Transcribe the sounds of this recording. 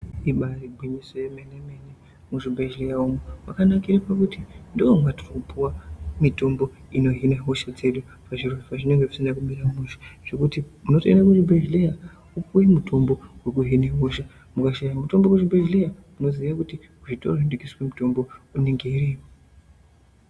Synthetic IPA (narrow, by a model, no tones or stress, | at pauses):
iɓariɡʱwiɲisojemanemene | muʐibʱeʒlejaumuwa̰kanakiɾapakutindoomwatʰorukupʰuwamito̞mbo̞ | ino̞ɦineɦoʃad͡ze̞ɗu | paʐiroafaʐine̞ŋɡe̞ʐisindakumiɾamuʃe̥ʐ̥e̞kutimuno̞teinakutibʱeʒleja | ukujimutʰo̞mbo̞we̞kuɦineɦoʃa | mukaʃajamuto̞mbokuʐibʱeʒlejamuno̞ziʋakuti | uʐitʰo̞̰roɦindikiswemuto̞mbo̞une̞ŋɡe̞iriːmo